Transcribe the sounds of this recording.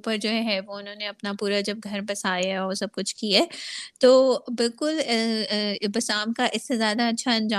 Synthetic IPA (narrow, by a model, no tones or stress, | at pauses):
pəɾd͡ʒoːɦɛɦɛʋoʊnɦõːneɐpnapuːɾad͡ʒɐb̚ɡʱɐɾbɐsaːjaɦɔːɾsɐb̚kʊt͡ʃʰkieːt̪oːbɪlkʊl | bɐsaːmkaʔɪsːezjaːd̪aɐtːʃʰaɐ̃nd͡ʒaː